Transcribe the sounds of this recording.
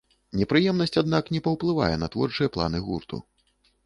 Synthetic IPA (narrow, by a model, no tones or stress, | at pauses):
nʲɛpɾɨjɛmn̪ɐsʲt͡sʲad̪naknʲɛpɐwplˠɨva̰jɛnɐt̪vɔ̰rt͡ʂɨjɐplˠa̰nɨɣurt̪ṵ